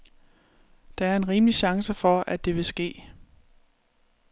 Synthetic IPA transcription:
d̥ɑ̈æɐe̝nʁiːmliɕɑ̈ŋsəfɒ̽ʔæd̥e̝ʋe̝sɡ̥e̝̰ː

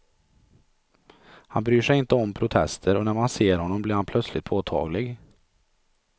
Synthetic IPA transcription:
hanbɾyːʂɛjɪnt̪əɔmpʰɾʊt̪ʰɛst̪ʰəɾɔnæɾmanseːɾhɔnːɔmblɪːɾhanpʰlœt̪slɪt̪̚pʰoːt̪ʰɑ̰ːɡlɪɡ

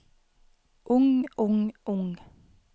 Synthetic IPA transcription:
ʔʊŋʔʊŋʔʊŋ

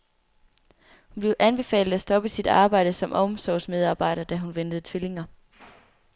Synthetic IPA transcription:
hunb̥le̝ʊʔænb̥e̝fɛ̰ːlð̩ˠæsd̥ɒ̽b̥əsid̥ɑ̈ːb̥ɑ̈ɪ̰d̥əsɒ̽mʔɒ̽msɒʊsmeð̞ˠɑ̈ːb̥ɑ̈ɪ̰ɾ̥ɐd̥æɦunʋen̰d̥əð̞̩ˠt͡sʰʋele̝ŋɐ

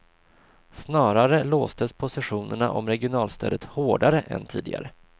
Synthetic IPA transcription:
snɑːɾaɾəloːst̪əspʰʊsɪɧuːnəɳa̰ʔɔmɾɛɡɪʊnɑːlst̪ʰø̰ːd̪ət̪hoːɖaɾəʔɛ̰nt̪ʰḭːd̪ɪ̰ɡa̰ɾə

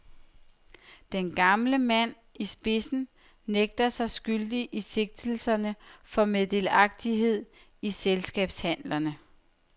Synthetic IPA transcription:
d̥enɡ̥ɑ̈mləmæn̰ | isb̥e̝sn̩ | neɡ̥̚d̥ɐsɑ̈ɪsɡ̥yld̥iʔise̝ɡ̥̚d̥l̩sɐnəfɒ̽med̥e̝lɑ̈ɡ̥̚d̥iɦe̝ð̞̰ˠ | iselsɡ̥ɛ̰ːb̥shæn̰lɐnə

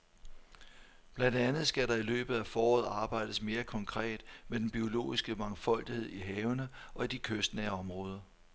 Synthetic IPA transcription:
b̥lænd̥ænð̩ˠsɡ̥æɾɑ̈ilø̰ːb̥ð̩ˠæfɒːɒːð̩ˠɑ̈ːb̥ɑ̈ɪ̰d̥əsme̝ːɐkʰɒ̽ŋkʰʁɛ̰ːd̥med̥enb̥io̝lo̝̰ːisɡ̥əmɑ̈ŋfɒ̽l̰d̥ihe̝ð̞̰ˠiɦɛːʊnəɒ̽id̥ikʰøsd̥nɛːɒ̽mʁɔːð̞ˠɐ

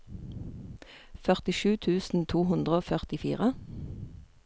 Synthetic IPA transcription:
fœʁt̪ɪʃʉːt̪ʰʉːsn̩t̪ʰuːhʉnd̪ʁəoːfœʁt̪ɪfḭːʁə

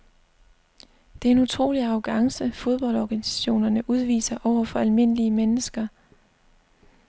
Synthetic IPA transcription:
d̥e̝æɐe̝nut͡sʰʁo̝̰ːliɑ̈ʊɡ̥ɑ̈ŋsəfo̝ð̞ˠb̥ɒ̽ld̥ɒːɡ̥ænisæ̥ɕo̝̰ːnɐnəʔuð̞ˠʋḭːsɐʔɒʊ̰ɐfɒ̽ælme̝n̰əliəmenəsɡ̥ɐ

